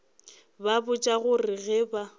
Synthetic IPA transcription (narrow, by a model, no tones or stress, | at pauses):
babʊt͡ʃʼaɣʊrɪɣɛːba